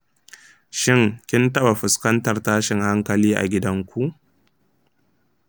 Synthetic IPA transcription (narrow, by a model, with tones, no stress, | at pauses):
ʃɪ˦ŋkʲɪ˦ntɐ˦ɓa˨ɸʊ˨skɐ˦ntɐ˨rtaː˦ʃɪ˨ŋha˦ŋkɐ˨liː˦ʔa̰˨ɡʲɪ˦dɐ˦ŋkʷu˦ʔ